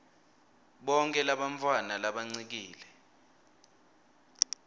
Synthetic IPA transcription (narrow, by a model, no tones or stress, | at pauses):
ɓɔŋkʼɛlaɓaɱfʰwanalaɓaŋ͡ǀik̬iːlɛ